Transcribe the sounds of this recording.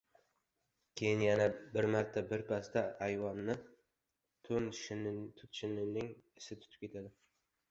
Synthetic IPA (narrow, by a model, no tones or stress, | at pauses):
kʲʰe̞jɪnjanabɪɾmaɾt̪ʰːabɪɾpʰast̪aːjvɒnnɪ | t̪ʰʊnt̪ʰʊt̪ʃɪnɪnɪŋɪsɪt̪ʰʊ̥t̪ʰɪ̥p̚kʰʲe̞t̪ʰad̪ɪ